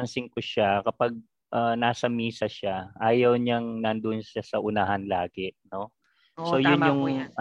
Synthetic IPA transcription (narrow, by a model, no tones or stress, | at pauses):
ɐnsɪŋkʊʃakɐpɐɡ̚ | ʔɐnaːsɐmiːsɐʃaʔaːjɐwɲaŋnɐnd̪onʃasɐʔʊnahɐnlaːɡɛʔno̞ | so̞jjʊnjʊŋ